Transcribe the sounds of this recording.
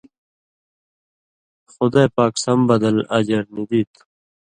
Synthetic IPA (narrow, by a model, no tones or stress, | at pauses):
xʊd̪ajpaːksɐmbɐd̪ɐlɐd͡ʑɐɾnid̪it̪